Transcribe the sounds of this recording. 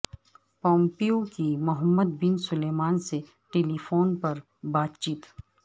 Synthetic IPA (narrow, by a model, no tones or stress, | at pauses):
pɔ̃ːmpiokimʊɦəmːəd̪̚bɪnsʊleːmaːnse | ʈeːliːfoːnpɐɾ | baːt̪t͡ʃiːt̪